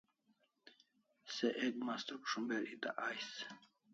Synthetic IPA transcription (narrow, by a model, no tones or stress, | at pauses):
seʔeɡmast̪okʂumbeɾit̪a̰ʔajs